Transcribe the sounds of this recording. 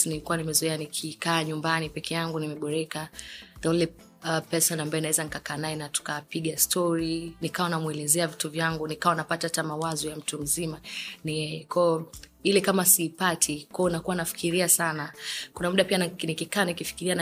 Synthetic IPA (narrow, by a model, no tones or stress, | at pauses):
nilikuwanimɛzuɛanikʰikaːɲumbanipɛkʰɛjaŋɡunimɛɓɔɾɛkadalɛ | pɛsɔnambaɛnawɛzanikakaːnaɛnatu̥kapiɠastʰɔɾinikawanamwɛlɛzɛavituvjaŋɡunikawanapatatamawazɔjam̩tum̩zimanɛɛkɔɔ | ilɛkamasiːpatʰikwɔɔnakuwanafi̥kiɾiasanakunamuɗapianikikaːnikifi̥kiɾian